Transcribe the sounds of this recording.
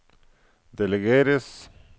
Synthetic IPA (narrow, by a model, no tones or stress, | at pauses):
d̪eleɣeɾes